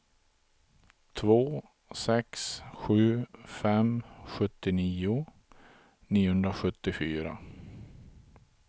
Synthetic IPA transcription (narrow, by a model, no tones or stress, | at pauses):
t̪ʰvoː | sɛksɧʉ̟ːfɛmɧɵt̪ːɪniːʊ | niːʊhɵnd̪ɾaɧɵt̪ːɪfyːɾa̰